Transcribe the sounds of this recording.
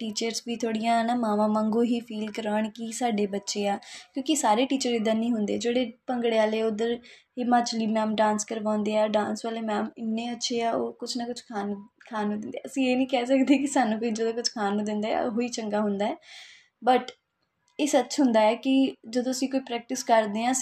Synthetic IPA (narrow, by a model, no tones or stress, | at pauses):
ʈiːt͡ʃəɾzbiːt̪ʰoːɽijãːnaːmãːʋãːmãŋɡõːɦiːfʰiːlkəɾaːɳkisaːɖeːbətːʃeːaːkjõːkɪsaːɾeːʈiːt͡ʃəɾɪd̪ənĩːɦʊnd̪eːd͡ʒeːɽeːpəŋɡɽeːaːleːʊd̪əɾ | ɪmaːt͡ʃliːmɛːmɖãːnskəɾʋãːnd̪eːaːɖãːnsʋaːleːmɛːmɪnːẽːətːʃʰeːaːoːkʊt͡ʃʰnakʊt͡ʃʰkʰaːnkʰaːnũːd̪ɪnd̪ḛːəsĩːeːnĩːkɛːsəkd̪eːkɪsaːnːũːkoːiːd͡ʒəd̪õːkʊt͡ʃʰkʰaːnũːd̪ɪnd̪a̰ːo̰ɦoːiːt͡ʃəŋɡaːɦʊnd̪aːɛː | bəʈ | eːsətːt͡ʃɦʊnd̪aːɛːkɪd͡ʒəd̪õːəsĩːkoːiːpɾɛːk̚ʈɪskəɾd̪eːɦãː